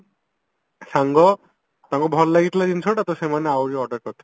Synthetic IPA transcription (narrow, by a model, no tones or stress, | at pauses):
ʃaŋɡɔ | t̪aŋɡɔbʱɔllaɡit̪lad͡ʑinsʰoʈat̪oʃemaneawɾiɔʈɔɾkɔt̪ʰːa